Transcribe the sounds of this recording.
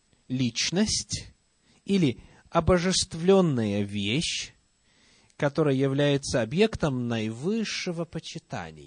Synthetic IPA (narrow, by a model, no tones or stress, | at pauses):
lʲit͡ɕnəsʲtʲ | ilʲɪ | ɐbəʐɨst̪vlʲo̞nːəjəvʲeɕ | kɐt̪o̞ɾəjəjɪvlʲæjɪt̪səɐbje̞kt̪əmnɐjvɨʂːɨvəpət͡ɕɪt̪a̰nʲɪ̰j